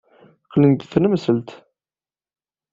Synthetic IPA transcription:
qːlənt̪θnəmsəlt̪

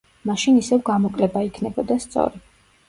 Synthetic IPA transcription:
maʃinisɛvɡamɔkʼlɛbaikʰnɛbɔd̪ast̪sʼɔ̰ɾi

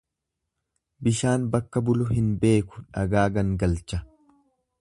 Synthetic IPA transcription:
bɪʃaːnbɐkːɐbʊlʊɦɪnbe̞ːkʊ̥ᶑɐɡaːɡɐŋɡɐlt͡ʃɐ

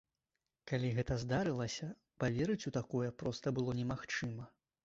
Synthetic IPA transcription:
kalʲiɣɛt̪ɐzd̪aɾɨlˠɐsʲɐ | pavʲɛɾɨt͡sʲut̪akɔjɛpɾɔst̪ɐbɨlˠɔnʲɛmaxt͡ʂɨmɐ

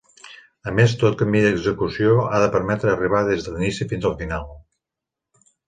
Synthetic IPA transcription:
əmest̪ot̪̚kəmbiðəɡzəkusioaðəpəɾmɛt̪ɾəːriβ̞aðezðəlinisifinzəlˠfinalˠ

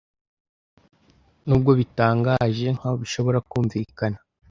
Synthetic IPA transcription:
nuːb̚ɡo̞βitaːŋɡaʒe̞ŋ̥haβoβiʃo̞βo̞ɾakuːɱvikana

